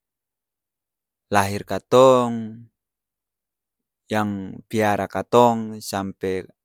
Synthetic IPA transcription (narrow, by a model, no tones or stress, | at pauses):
laɦirkat̪ɔŋ | jaŋpiaɾakat̪ɔŋsampɛ